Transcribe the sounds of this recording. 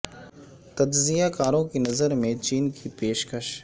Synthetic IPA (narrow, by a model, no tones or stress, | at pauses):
t̪ɐd͡ʒzijakaːɾõkinɐzəɾmẽt͡ʃiːnkʰipeːʃkəʃ